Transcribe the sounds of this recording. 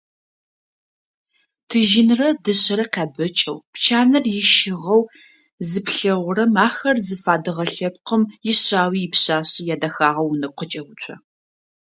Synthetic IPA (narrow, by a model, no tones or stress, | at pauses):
tʰɨʒɪnrɐdɨɕʼɐɾɐqʲaːbɨt͡ʃʼɐwpt͡ʃʰaːnɐrjɪʃɪʁɐw | zɨpɬɐʁʷʊɾɐmaːxɐrzɨfaːdɨʁɐɬɐp̚qəmjɪɕaːwiːjɪpɕaːɕijaːdɐxaːʁɐwnɨqʷət͡ʃʼɐwʊt͡ʃʷʰɐ